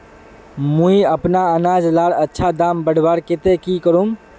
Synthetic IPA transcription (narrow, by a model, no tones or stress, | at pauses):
mũiəpnaənad͡ʒlaɽətːʃʰad̪ambəɽ̤baɾket̪ekikəɾum